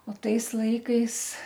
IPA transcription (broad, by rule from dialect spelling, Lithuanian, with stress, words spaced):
oː ˈtɐɪs ˈlˠɐɪkɐɪs